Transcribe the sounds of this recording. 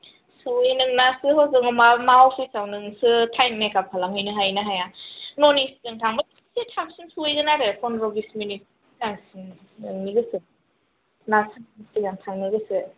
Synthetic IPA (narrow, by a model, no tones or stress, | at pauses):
sɯwinɯŋnasɯɦowzɯŋamamaopʰisawnɯŋsɯtʰajnnajkap̚kʰalamhɯjnɯɦajnɯɦajanonisi̥zɯŋtʰaŋba | setʰabsinsuejɡɯnaɾepʰɔnɾɔbisminit̚ | zaŋsɯnnɯŋniɡɯsɯ | nasɯnsɯɡaŋtʰaŋniɡɯsɯ